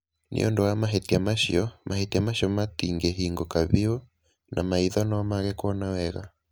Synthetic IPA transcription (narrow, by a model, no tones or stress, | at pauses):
nʔḭo̰ndowamaɦetiamaʃiɔmʔahetiamaʃiɔmatiŋɡɛɦiŋɡokaβio | nʔa̰maiðɔnɔmaɣɛkwɔnawɛɣa